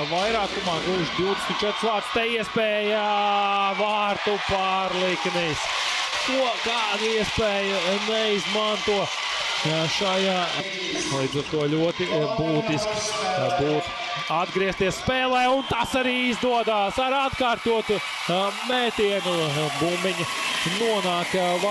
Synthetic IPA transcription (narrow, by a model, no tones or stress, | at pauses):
vajɾaːkumaːɡuːʃd̪iʊd̪ɛsmʲt̪t͡ʃɛt̪ɾ̥svaːɾt̪st̪ɛiɛspɛːja | vaːɾt̪upaɾlˠiknis | t̪uɔkaːd̪iɛspɛːjənɛizmant̪uɔ | ʃajaː | lˠiːd̪zaɾt̪uɔlʲuɔt̪ibuːt̪isksbuːt̪ | ad̪ɡɾiɛst̪iɛsspɛːlˠɛːunt̪asaɾiːizd̪uɔd̪aːsaɾat̪kaːɾt̪uɔt̪u | mɛːt̪iɛnubumːiɲɐ | nuɔnaːk